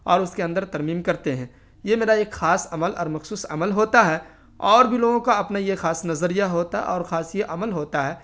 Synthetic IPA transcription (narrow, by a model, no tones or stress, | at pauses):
ɔːɾʊskeɐ̃nd̪əɾt̪ɐɾmiːmkɐɾt̪eɦɛ̃ː | jemeːɾaeːkxaːsɐməlʔɔ̰ːɾmɐxsuːsɐ̰məlɦoːt̪aɦɛː | ɔːɾbʱiloːɡõkaɐpnajexaːsnɐzəɾijaɦoːt̪a̰ʔɔːɾxaːsjeʔɐməlɦoːt̪aɦɛː